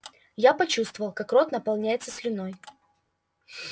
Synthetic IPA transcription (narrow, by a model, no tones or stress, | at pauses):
japɐt͡ɕust̪vəvəlˠkakro̞t̪nəpɐlˠnʲæjɪt̪səsʲlʲɪno̞j